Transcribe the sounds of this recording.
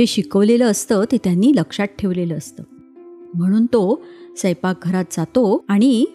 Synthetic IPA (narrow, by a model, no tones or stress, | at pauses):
eɕikəʋleləəst̪ət̪et̪janːiːləkʂaʈ̚ʈʰeʋleləːst̪əː | m̤əɽ̃uːnt̪osəjpak̚ɡʱəɾat̪̚d͡zat̪oaɽ̃i